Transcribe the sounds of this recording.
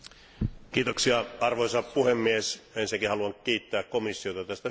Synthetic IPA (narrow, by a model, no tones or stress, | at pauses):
kiːt̪oksiɑɑrʋoisɑppuhemːiesensækihɑluɑnkiːt̪ːæːkkomisːiot̪ɑt̪æst̪æ